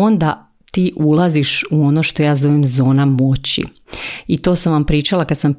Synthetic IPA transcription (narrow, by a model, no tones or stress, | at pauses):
ond̪a | t̪iːʔulˠaziʃuo̞noʃt̪o̞jaːzo̞ʋemzo̞ːnamo̞t͡ɕḭ | it̪o̞ːsamʋampɾiːt͡ʃalˠakad̪sam